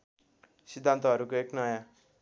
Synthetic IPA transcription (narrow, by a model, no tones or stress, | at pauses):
sid̪ʱːant̪ʌɦʌɾukoeknʌjã